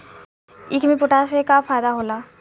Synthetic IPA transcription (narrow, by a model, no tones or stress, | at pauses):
ɪkʰmẽpʊʈasekafʰaːjd̪aɦoːlaː